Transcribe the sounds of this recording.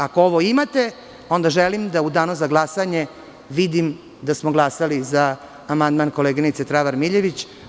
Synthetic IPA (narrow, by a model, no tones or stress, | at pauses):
akooʋoimat̪e̞ | o̞nd̪aʒelimd̪aud̪aːnozaɡlˠasaɲe | ʋid̪im | d̪asmoɡlˠasalizaː | mand̪manko̞leɡinit̪set̪ɾaʋaɾmiʎeʋit͡ɕ